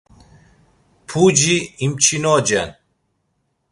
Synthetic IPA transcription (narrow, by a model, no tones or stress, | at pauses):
pʰud͡ʒiimt͡ʃʰinɔd͡ʒɛn